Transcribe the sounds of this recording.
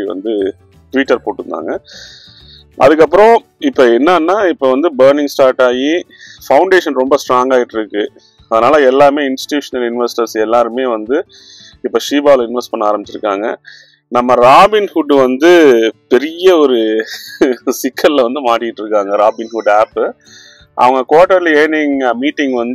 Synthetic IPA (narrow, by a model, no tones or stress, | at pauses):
iʋɐ̰nd̪ɯ | ʈʋiːʈːɐɾpoːʈːɯɾɯnd̪a̰ːŋɡɐ | ʔɐ̰ðɯk̬ːɐpːɯɾõ | ɪpːoːɛnːaːnːaːɪpːoːʋɐnd̪ɯbɐːɾnɪŋɡsʈaːɾʈaːjifɐʊɳɖeːʂɐnɾɔmbɐsʈɾaːŋɡaːjɪʈːɪɾɯkːɯ | ɐðɐnaːlɐɛlːaːɾmeːɪnsɪ̥ʈjuːʂɐnɐlɪnʋɐsʈɐɾsɛlːaːɾɯmeːʋɐnd̪ɯ | ɪpːoːʂiːbaːʋlɐɪnʋɛsʈpɐɳːɐaːɾɐmbɪt͡ʃːɪɾɯkːa̰ːŋɡɐ̰ | nɐmːɐɾaːbɪnhʊɖʋɐnd̪ɯpɛɾɪjɐɔɾɯ | sɪkʰːɐllɐʋɐnd̪ɯmaːʈːɪɪʈːɾɯkːaːŋɡɐɾaːbɪnhʊɖaːp | ʔɐ̰ʋɐŋɡɐkoːʈːɐɾleːnɪŋmiːʈːɪŋɡʋɐnd̪